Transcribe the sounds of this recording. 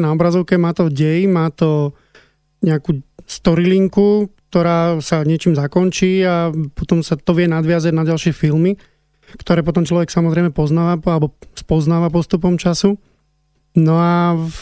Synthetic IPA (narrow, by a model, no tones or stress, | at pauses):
naɔbɾazɔʊkɛmaːt̪ɔɟɛjmaːt̪ɔ | ɲɛakuːst̪ɔɾiliŋkukt̪ɔɾaːsaɲɪɛt͡ʃiːmzakɔnt͡ʃiːapɔt̪ɔmsat̪ɔʋɪɛnad̪ʋɪazaɟnaɟalʃɪɛfilmi | kt̪ɔɾɛːpɔt̪ɔmt͡ʃlɔʋɛksamɔzɾɛɪmɛpɔznaːʋaalɛbɔspɔznaːʋapɔst̪up̬ɔmt͡ʃasu | nɔa